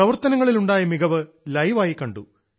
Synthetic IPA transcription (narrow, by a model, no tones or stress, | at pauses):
ɐʋɐrt̪ɐnɐŋːɐɭiluɳɖaːjɐmiɡɐʋɨ | lɐjʋaːjikːɐɳɖu